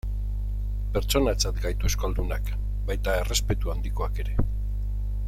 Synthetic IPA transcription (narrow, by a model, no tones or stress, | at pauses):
pe̞ɾt͡so̞nat͡sat̪ɡajt̪ue̞skoald̪unak | bajt̪ae̞re̞spe̞t̪uand̪iko̞ake̞ɾe̞